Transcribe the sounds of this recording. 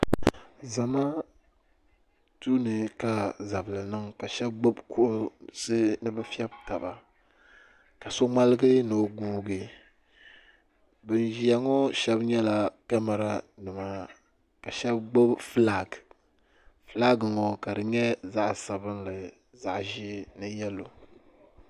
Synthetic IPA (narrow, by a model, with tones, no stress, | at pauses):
za˨ma˦ | tuː˦nɨ˨ka˦za˨bɨ˨lɨ˨nɨ˦ŋka˨ʃɛ˦b̚ɡ͡bo˦bku˦ʔʊ˦sɨ˦nɨ˦bɨ˦fi˦ɛ˦bta˨ba˨ | ka˨so˦ŋ͡ma˦lɨ˦ɡɨ˦nɨ˨ɡuː˦ɡɨ˨ | bɨ˨n˨ʒi˦ja˨ŋɔ˦ʃɛ˦bɲɛ˦la˨ka˦ma˨ɾa˦nɨ˨ma˦ | ka˨ʃɛ˦bɡ͡bo˦bfla˨ɡ | fla˦ɡɨ˨ŋɔ˦ka˨dɨ˨ɲɛ˦za˦ʔsa˨bɨ˦nlɨ˨ | za˨ʔʒi˦nɨ˦jɛ˦lo˨